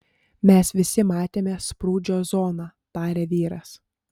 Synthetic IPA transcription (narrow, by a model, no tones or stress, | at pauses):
mʲɛsʋʲɪsʲɪmɑːt̪ʲeːmʲɛspɾuːd͡ʒʲoːzɔːnɑːt̪ɑːɾʲeːʋʲiːɾɐs